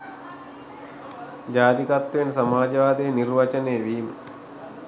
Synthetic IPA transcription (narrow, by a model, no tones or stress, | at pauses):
d͡ʒaːd̪ikat̪ːʋensamaːd͡ʒɐʋaːd̪ejnirʋat͡ʃənejʋiːmə